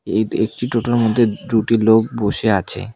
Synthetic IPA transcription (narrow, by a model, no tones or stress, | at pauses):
eek̚ʈiʈoʈoeɾmod̪ʱːed̪uʈilok̚boʃeat͡ɕʰḛ